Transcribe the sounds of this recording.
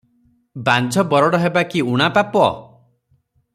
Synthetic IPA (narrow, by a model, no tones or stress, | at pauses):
band͡ʒʱɔbɔɾɔɽɔɦebakiuɽ̃apapɔ̰